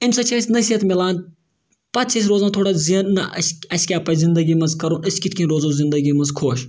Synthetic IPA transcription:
imsɐt͡ʃʰɐsʲnɐsiɐt̪milˠaːn | pɐt̪̚t͡ʃʰɐs̬ʲɾoːzaːt̪ʰoːɽazinnɐ̰sɐskʲeɐpɐzind̪ɐɡʲimɐnzkɐɾũnʔəsʲkʲit̪ʰʲkʰʲĩnɾoːzõzind̪ɐɡimɐzkʰoːʃ

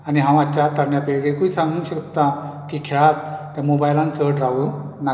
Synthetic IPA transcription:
aniɦãw̃at͡ɕat̪əɾnjapeɭɡekuisãŋɡuŋɕəkt̪akiːkʰeɭat̪ː | jamobajlãnt͡səɾʈɾawu | na

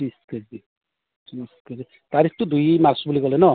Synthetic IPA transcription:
isked͡ʒi | iskezi | t̪aɾikʰt̪ud̪ujmaɾsbuliɡɔlenɔ

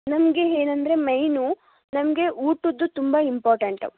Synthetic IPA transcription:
nɐmɐɡe̞eːnɐnd̪ɐɾe̞mɐjnu | nɐmɐɡe̞ʔuːʈːud̪ːut̪umbɐimpaːɾʈɐɳʈɐ̰

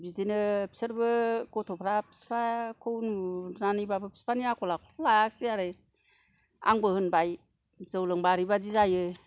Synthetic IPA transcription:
bidinɯpsəɾbɯɡɔtʰɔpʰɾapʰi̥spʰakʰɯwnunanibabɯpʰi̥spʰaniakʰɔlakʰlaaksiaɾɯ | a̰ŋbɯhɯnbaj | z̥ɯwlɯŋbaɾibazizajɯ

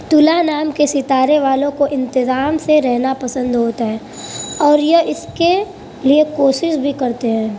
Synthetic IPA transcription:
t̪ʊlanaːmkesɪt̪aːɾeʋaːlõkoʔɪ̃nt̪ɪzaːmseɾɛɦnapɐsə̃nd̪ɦoːt̪aɦɛː | ɔːɾjɐɦɪske | liekoːʃɪʃbʱikɐɾt̪eɦɛ̃ː

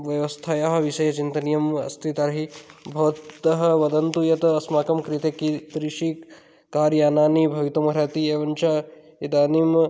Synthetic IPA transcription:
ʋjɐʋɐst̪ʰajaːɦɐ̆ʋiʃɐjɐt͡ʃint̪ɐnijɐmɐ̰st̪ʰit̪ɐɾɐɦibʱɐʋɐtt̪ɐɦɐ̆ʋɐd̪ɐnt̪ujɐt̪ɐɐsmaːkɐmkɾit̪ekit̪ɾiʃi | kaːɾjaːnaːnibʱɐʋit̪ɐmɐɾaːt̪ieːʋɐɲt͡ʃa | id̪aːnim

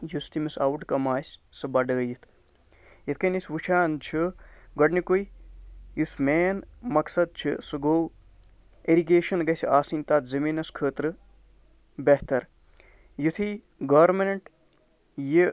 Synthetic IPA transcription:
just̪imisɐwuʈkɐmaːsʲsɨbɐɖəːjit̪ʰ | jit̪ʰkɐnisʋut͡ʃʰaːnt͡ʃʰiɡɐɖnikujjusmeːnmɐksɐd̪̚t͡ʃʰisɨɡoː | eɾiɡeːʃɐnɡɐsʲiaːsinʲt̪aːt̪zɐmiːnɐskʰəːt̪ɾɨ | beɦt̪ɐɾ | jut̪ʰi | ɡɐɾmɐnɐɳʈ | ji

